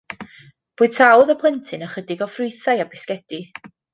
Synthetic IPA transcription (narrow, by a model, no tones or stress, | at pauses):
b̥uːɨ̥tʰawðəpʰlˠɛntʰɨnəχədɪɡɔfrʊjθajabɪskɛd̥i